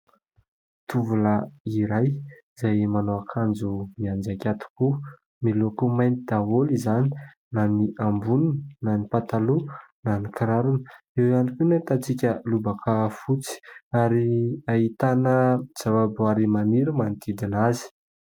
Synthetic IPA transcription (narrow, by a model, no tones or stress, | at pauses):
t̪uvulaiɾaj | z̥ajmanoakʰand͡zumiand͡ʒakʲat̪u̥ku | milokumajnid̪̥aɦolizani̥ | naniʔambuninənanipat̪alunanikiɾaɾunə̥ | ewjanikunat̪at͡sikʲəlubakʰafut͡si̥aɾiait̪anəz̥avaboaɾimaniɾəmant̪id̪inazi̥